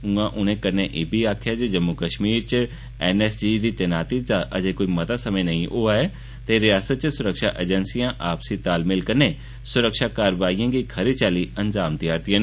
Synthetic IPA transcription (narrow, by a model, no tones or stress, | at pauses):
ũãʔʊnẽkəɾneʔɪbʱiaːkʰjad͡ʒed͡ʒəmːukəʃmiːɾt͡ʃ | ɛːnɛːsd͡ʒiːd̪it̪enaːt̪iaʔəd͡ʒekoːimɐt̪asəməjnəĩʔoːaɛ | t̪eɾɪjaːsət̪̚t͡ʃsʊɾəkʃaːʔed͡ʒɛnsijãːʔaːpsit̪aːlmɪlkəɾne | sʊɾəkʃaːkaːɾəʋaːijãːɡikʰəɾet͡ʃaːliənd͡ʒaːmt̪ɪjaːɾt̪ijãn